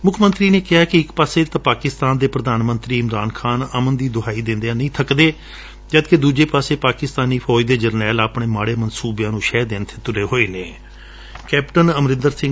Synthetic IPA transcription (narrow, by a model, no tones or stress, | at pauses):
mʊkʰmə̃nt̪ɾiːneːkɪɦaːkɪɪkpaːseːt̪ãpaːkɪst̪aːnd̪eːpɾəd̪aːnmənt̪ɾiːɪmɾaːnkʰaːnəmənd̪iːd̪ʊɦaːiːd̪ɪ̃nd̪eãːnəĩːt̪ʰəkd̪eː | d͡ʒəd̪ked̪uːd͡ʒeːpaːseːpaːkɪst̪aːniːpʰɔːd̪eːd͡ʒəɾnɛːlaːpɳeːmaːɽeːmənsuːbjãːnũːʃɛːd̪eːnt̪ʰeːt̪ʊɖeːɦoːeːnẽː | kɛːpʈənəmɾɪ̃nd̪əɾsɪ̃ŋ